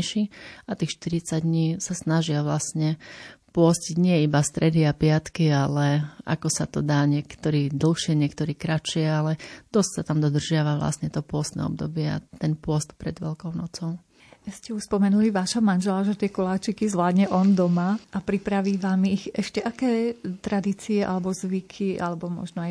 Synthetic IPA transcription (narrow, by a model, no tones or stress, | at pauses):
ʃiat̪iːxʃt̪iɾit͡saɟd̪ɲiːsasnaʒɪaʋlasɲɛpʊɔsciɟɲɪɛibast̪ɾɛd̪iapɪat̪kialɛa̰kɔsat̪ɔd̪aːɲɪɛkt̪ɔɾiːd̪l̩xʃɪɛɲɪɛkt̪ɔɾiːkɾat͡ʃɪɛalɛd̪̥ɔssat̪amd̪ɔd̪r̩ʒɪaʋaʋla̰sɲɛt̪ɔpʊɔst̪nɛ̰ɔ̰b̚d̪ɔbɪɛa̰t̪ɛnpʊɔst̪pɾɛd̪ʋɛ̰lkɔʊnɔt͡sɔʊ | scɛuspɔmɛnuliʋaːʃamanʒɛlaʒɛt̪ɪɛkɔlaːt͡ʃikizʋlaːd̪ɲɛʔɔnd̪ɔmaʔapɾipɾaʋiːʋaːmiːɣɛʃcɛʔakɛːt̪ɾad̪iːt͡siɛʔa̰lɛbɔzʋikʰiʔa̰lɛbɔmɔ̰ʒnɔaj